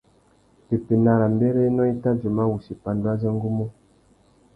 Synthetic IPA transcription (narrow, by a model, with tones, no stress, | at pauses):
te˨pi˨na˨ɾa˨mbe˦ɾe˦nɔ˦i˦ta˦d͡ʒu˨ma˦wu˨si˨pa˨ndwa˦zə˦ŋ˦ɡu˦mu˦